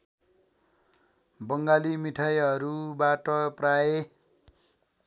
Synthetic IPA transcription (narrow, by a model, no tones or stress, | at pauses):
bʌŋɡalimiʈʰajɦʌɾubaʈʌprae